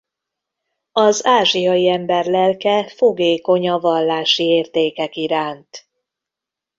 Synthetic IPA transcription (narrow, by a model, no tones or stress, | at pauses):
ɒzaːʒijɒjiɛmbɛrlɛlkɛfoɡeːko̞ɲɒvɒlːaːʃieːrt̪eːkɛkiɾaːnt̪